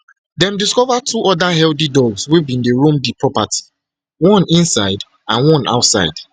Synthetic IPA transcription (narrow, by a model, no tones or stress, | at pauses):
dɛ̃mdiskɔvatʰuʔɔdaɦɛldidɔɡzwivĩndeɹũmdipʰɹɔpati̥ | wɔ̃nĩnsaɪd | ãnwɔ̃na̰ʊtsa̰ɪd̥